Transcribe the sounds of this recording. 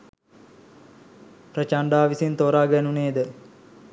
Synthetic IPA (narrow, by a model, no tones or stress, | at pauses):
prət͡ʃaɳɖaːʋisint̪oːɾaːɡɛnuneːd̪ə